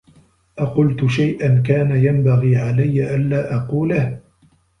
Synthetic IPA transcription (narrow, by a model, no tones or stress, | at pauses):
ʔaqʊlt̪ʊʃajʔank̬aːnajambaɣiːʕalajːaʔanːaːʔɑquːlah